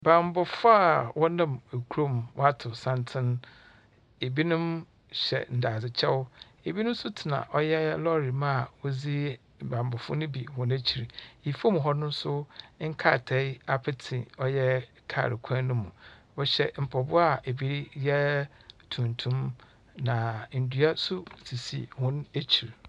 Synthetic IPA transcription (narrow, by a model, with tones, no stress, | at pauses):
ba˨m˦bʊ˨fʊ˦a˨wɔ˦nã˦˨me˨kʰu˦ɾo˦˨m˨wɔ˦a˦tʰʊ˨sã˦ntʰɪ̃˦n | e˨bi˦nʊ̃˦m | ɕɛ̰˨n̩˨da˨zɪ˨t͡ɕʰɛ˦wʊ˦ | e˨bi˦nʊ̃˦m̩˦sʊ˦tʰi˨nã̰˨ʔɔ˦jɛ˦lɔ˦ɾi˨mã˦a˨wɔ˦zi˦ | bã˨m˨bʊ˨fʊ̰˦nʊ̃˦bi˨hɔ̃˨næ̃˦t͡ɕʰi˨ɾi˨i˨fo˦m̃˨ɦɔ˦nʊ̃˦n̩˦sʊ˦ŋ̩˦kʰa̰˦˨tʰɛ˨˦ɪ˦a˦pʰɪ˦tʰɪ̰̃˨ɔ˦jɛ˦ | kʰa̰˨ɾɪ̰˨kʷʰã˦nʊ̃˦mũ˨wɔ˦ɕɛ̰˨m̩˨pʰɔ˨bʊ˦a˦˨e˨bi˦ɾjɛ˦tʰũ˨n˨tʰũ˦m | nã˨n̩˨du˦a˦sʊ˦tʰi˨sḭ˦˨hʊ̃˦ne˦t͡ɕʰi˨ɾ